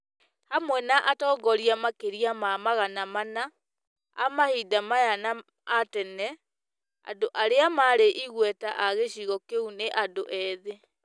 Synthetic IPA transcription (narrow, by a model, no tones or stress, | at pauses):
hamwɛnaʔatɔːɡɔɾiamakeɾiamamaɣanamana | a̰mahidamajana | atɛnɛ | a̰doʔaɾeamaɾeʔiɣwɛtaʔaɣeɕiɣɔkeuneʔadoʔɛðe